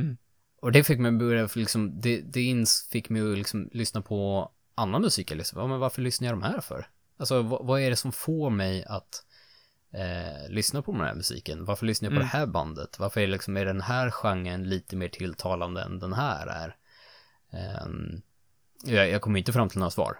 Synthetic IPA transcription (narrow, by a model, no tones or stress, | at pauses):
ɔd̪ɛfɪkːmɛjbɵɾjaflɪksɔmd̪ɛd̪ɛɪnfɪkːmɛjlɪksɔmlʏsnapʰɔ | ʔanːanmɵsiːkjalʏsjɑːmɛnvaɾfəɭʏsnaɾjɑd̪ɔmhæːɾfœ̰ɾ | alsɔvavaæɖɛsɔmfoːɾmɛjat̪ | lʏsnapʰɔd̪ɛnhæ̰ɾmɵsḭːkənvaɾfəɭʏsnajɑpʰɔd̪ɛhæːɾba̰nd̪ə̰t̪vaɾfœɾɛɛlɪksɔmæɖɛnɦæːɾɧaŋːənliːt̪əmeːʈʰɪlt̪ʰɑːland̪əɛ̰nd̪ɛnɦæːɾæ̰ɾ̰ | jɑjɑːɡkʰɔmːɾɪnt̪əfɾamt̪ʰɪlnoːɾasvɑ̰ːɾ